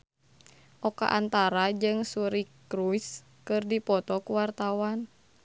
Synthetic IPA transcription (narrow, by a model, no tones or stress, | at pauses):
ʔɔka̰ʔant̪aɾad͡ʒɨŋsuɾikɾujs | kɨrdipɔt̪ɔkuwart̪awan